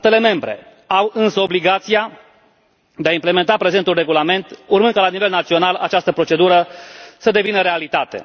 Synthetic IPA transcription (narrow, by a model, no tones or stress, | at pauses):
t̪e̞le̞me̞mbɾe̞̰ | awɨnsəo̞bliɡat̪sija | d̪e̞aimple̞me̞nt̪apɾe̞ze̞nt̪ulre̞ɡulame̞nt̪urmɨnd̪kəlanivelnat̪sio̞nala̰t͡ʃast̪əpɾo̞t͡ʃe̞d̪uɾəsəd̪e̞vinəɾe̞alit̪at̪e̞̰